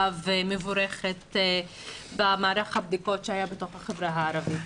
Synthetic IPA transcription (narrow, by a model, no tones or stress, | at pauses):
vemevuɾeχet | bamaːɾaχhab̚d̪iko̞tʃeajabeto̞χhaχevɾaɦaːɾavit